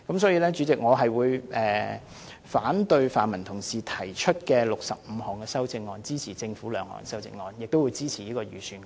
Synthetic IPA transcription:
kɐ˨˥ms̬ɔː˨˥jiː˧lɛː˥t͡ʃyː˨˥t͡sɪ˨k̚ŋɔː˨˧ɦɐ˨jwuː˨˧jʔɛː˨˩ | faː˨˥nt̪ɵ˧ɥfaː˨nmɐ˨˩nt̪ʰʊ˨˩ŋsiː˨˩t̪ʰɐ˨˩jt͡ʃʰɵ˥t̚kɛː˧lʊ˨k̚sɐ˨p̚m̩˨˧ɦɔː˨˩ŋkɛː˧sɐ˥wt͡sɪ˧ŋːɔː˧nt͡siː˥t͡sʰiː˨˩t͡sɪ˧ŋfuː˨˥lœː˨˧ŋhɔ̰ː˨˩ŋkɛ˧sɐ˥wt͡sɪ̰˧ŋːɔː˧njɪ˨k̚t̪o˥wu˨˧jt͡siː˥t͡sʰiː˨˩jiː˥kɔː˧jyː˨˩syː˨˧n

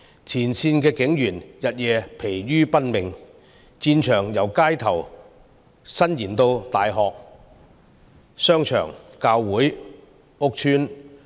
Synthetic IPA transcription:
t͡sʰiː˨˩nsiː˧nkɛː˧kɪ˨˥ŋjyː˨˩njɐ˨t̚jɛː˨˧pʰe˨˩jɥyː˥pɐ˥t̚mɪ˨ŋ | t͡siː˧nt͡ʃʰœː˨˩ŋjɐ˨˩wkaː˥jt̪ʰɐ˨˩w | sɐ˥njiː˨˩nt̪o˧wt̪aː˨jɦɔː˨k̚ | sœː˥ŋt͡ʃʰœ̰ː˨˩ŋkaː˧wːuː˨˥j | ʊ˥k̚tʰyː˥n

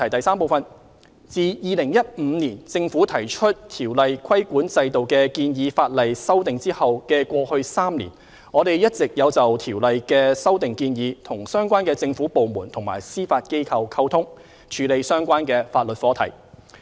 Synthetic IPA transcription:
ɐ˨˩jt̪ɐ˨jsaː˥mpo˨wfɐ˨n | t͡siː˨jiː˨lɪ˨˩ŋjɐ˥t̚m̩˨˧˦niː˨˩nt͡sɪ˧ŋfuː˨˥t̪ʰɐ˨˩jt͡ʃʰɵ˥t̚t̪ʰiː˨˩wlɐ˨jkʰwɐ˥jkʷuː˨˥nt͡sɐ˧jt̪o˨wkɛː˧kiː˧njiː˨˧faː˧t̚lɐ˨jsɐ˥wt̪ɪ˨ŋt͡siː˥hɐ˨wkɛː˧kʷɔː˧hɵ˧ɥsaː˥mnḭː˨˩n | ŋɔː˨˧ɾe˨˩jjɐ˥t̚t͡sɪ˨k̚jɐ˨˧wt͡sɐ˨wt̪ʰiː˨˩wlɐ˨jkɛː˧sɐ˥wt̪ɪ˨ŋkiː˧njiː˨˧t̪ʰʊ˨˩ŋsœː˥ŋkʷaː˥nkɛː˧t͡sɪ˧ŋfuː˨˥po˨wmuː˨˩nt̪ʰʊ˨˩ŋma̰ː˨˩jsiː˥faː˧t̚ke˥jkʰɐ˧wkʰɐ˥wt̪ʰʊ˥ŋ | t͡ʃʰyː˨˧le˨˧jsœː˥ŋkʷaː˥nkɛː˧faː˧t̚lɵ˨t̚fɔː˨˥t̪ʰɐ̰˨˩j

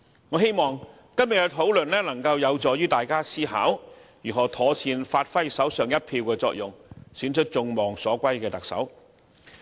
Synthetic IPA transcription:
ŋɔː˨˧ɦe˥jmɔː˨˩ŋ | kɐ˥mjɪ˨˩ɐ˧t̪ʰo˨˥wlɵ˨nlɛː˥lɐ˨˩ŋkɐ˧wjɐ˨˧wt͡sɔː˨jyː˥t̪aː˨˩jkaː˥siː˥ɦa̰ː˨˥wjyː˨˩ɦɔː˨˩t̪ʰɔː˨˧t͡sʰiː˧nfaː˧t̚fɐ˥jsɐ˨˥wsœː˨ŋjɐ˥t̚pʰiː˧wkɛː˧t͡sɔː˧k̚jʊ˨ŋsyː˨˥nt͡ʃʰɵ˥t̚t͡sʊ˧ŋmɔː˨ŋsɔː˨˥kʷɐ˥jkɛː˧t̪ɐ˨k̚sɐ̰˨˥w

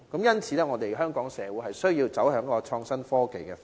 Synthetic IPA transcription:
kɐ˨˥mjɐ˥nt͡sʰiː˨˥lɛː˥ŋɔː˨˧t̪e˨jɦœː˥ŋkɔː˨˥ŋsɛː˨˧wu˨˥ɦɐ˨jsɵ˥ɥjiː˧wt͡sɐ˨˥wɦœː˨˥ŋkɔː˧t͡ʃʰɔː˧ŋsɐ˥nfɔː˥ke˨jkɛː˧

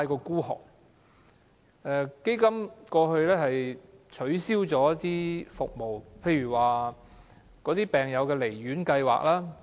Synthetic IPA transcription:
a˧jkɔː˧kuː˥ɦɔ̰ː˨˩k̚ | ʔɛː˨˧ke˥jkɐ˥mkɔː˧ɦɵ˧ɥlɛː˥hɐ˨jt͡ʃʰɵ˨˥ɥsiː˥wt͡sɔː˨˥jɐ˥t̪iː˥fʊ˨k̚mo˨˩wpʰe˧jɥyː˨˩waː˨ | kɔː˨˥t̪iː˥pɛː˨˩ŋjɐ˨˧wkɛː˧le˨˩jɥyː˨˥nkɐ˧jwa̰ː˨k̚laː˥

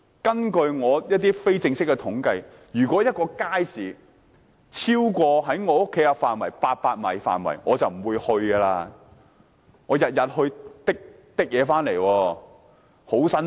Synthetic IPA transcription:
kɐ˥nkɵ˧ɥŋɔː˨˧jɐ˥t̚t̪iː˥fe˥jt͡sɪ˧ŋsɪ˥kːɛ˧t̪ʰʊ˨˥ŋkɐ˧j | jyː˨˩kʷwɔː˨˥jɐ˥t̚kɔː˧kaː˥jsiː˨˩ | t͡sʰiː˥wkʷɔː˧ɦɐ˨˥jŋɔː˨˧o˥kʰːe˨˥jaː˧faː˨˩nwɐ˨˩jpaː˧t̚paː˧t̚mɐ̰˨˩jfa̰ː˨˩nwɐ̰˨˩jŋɔː˨˧t͡sɐ˨wm̩˨˩wuː˨˧jhɵ˧ɥɡɐ˧laː˧ | ŋɔː˨˧jɐ˨t̚jɐ˨t̚hɵ˧ɥt̪ɪ˥k̚ | t̪ɪ˥k̚jɛː˨˧faː˥nle˨˩jwɔː˧ | ho˨˥wsɐ˥n

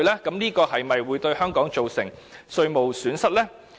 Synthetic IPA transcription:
lɛː˥kɐ˨˥mniː˥kɔː˧hɐ˨jmɐ˨jwuː˨˧jt̪ɵ˧ɥhœː˥ŋkɔː˨˥ŋt͡so˨wsɪ̰˨˩ŋsɵ˧ɥmo˨wsyː˨˥nsɐ˥t̚lɛː˥

